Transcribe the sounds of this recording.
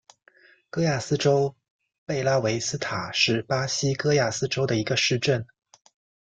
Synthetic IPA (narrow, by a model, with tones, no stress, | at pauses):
kɤ˥ja˥˩sɹ̩˥ʈ͡ʂo˥ʊ | pe˥˧ɪla˥we˧˥ɪsɹ̩˥t̪ʰa˨˩ʂɻ̩˥˩pa˥ɕi˥kɤ˥ja˥˩sɹ̩˥ʈ͡ʂo˥ʊd̪ə˨i˧˥ɡə˧ʂɻ̩˥˧ʈ͡ʂə˥˩n